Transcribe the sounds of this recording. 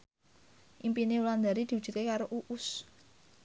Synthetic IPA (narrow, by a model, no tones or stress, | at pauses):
ʔimpineuland̪aɾid̪̥i̤ud̥ʒ̥ṳt̪̚kekaɾoʔuʔus